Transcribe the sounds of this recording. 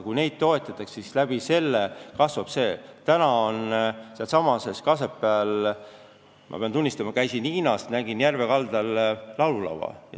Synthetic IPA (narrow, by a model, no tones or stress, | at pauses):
kujne̞jd̪̥̚t̪o̞e̞t̪ːˑɑt̪ːˑɑkssislæb̥ise̞lːekɑsvɑb̥se̞ːt̪ænɑo̞nselsɑmɑse̞skɑse̞pˑːeɑl | mʔɑ̰peɑnt̪unʲːist̪ɑmɑkæjsiniːnɑst̪næɡinjærve̞kɑld̪ɑllɑwlulɑ̰wɑ̰j̰